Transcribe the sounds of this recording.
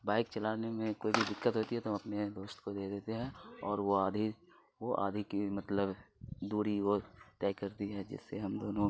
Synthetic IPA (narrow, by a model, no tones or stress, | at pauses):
baːɪk̚t͡ʃɐlaːnemẽkoːibʱid̪ɪkːət̪ɦoːt̪iɦɛt̪oɦɐmɐpned̪oːst̪kod̪eːd̪eːt̪eɦɛ̃ɔːɾʋoaːd̪ʱi | ʋoʔa̰ːd̪ʱikimɐt̪ləbd̪uːɾiʋot̪ɛːkɐɾt̪iɦɛd͡ʒɪ̰sːeɦɐmd̪oːnõ